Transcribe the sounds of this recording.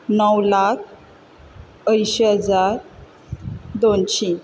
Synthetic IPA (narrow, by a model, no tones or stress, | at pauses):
nəwlakʰ | əjɕeɦəd͡zaɾ | d̪onɕi